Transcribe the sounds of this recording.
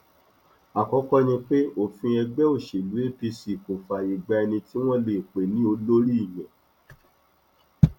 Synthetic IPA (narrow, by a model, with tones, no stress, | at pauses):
a˨kɔ˨˦kɔ˦nĩ˧k͡pe˦o˦˨fĩ˧ɛ˧ɡ͡bɛ˦o˦˨ʃe˨lu˨˦e˦pi˧si˨ko˨fa˨i˨ɡ͡ba˧ɛ˧nĩ˧ti˦w̃ɔ̃˦le˨k͡pe˨nĩ˦o˧lo˦ɾi˦i˦˨jɛ̃˨